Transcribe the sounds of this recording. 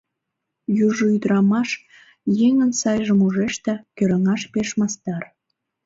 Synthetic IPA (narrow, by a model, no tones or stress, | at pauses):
juʒoyd̪ɾɑmɑʃ | jeŋənsɑjʒəmuʒeʃt̪ĕkøɾəŋɑʃpeʃmɑst̪ɑr